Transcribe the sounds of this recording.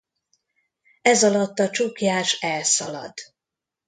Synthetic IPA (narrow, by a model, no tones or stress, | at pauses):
ɛzɒlɒt̪ːɒt͡ʃukjaːʃɛlsɒlɒ̰d̪̥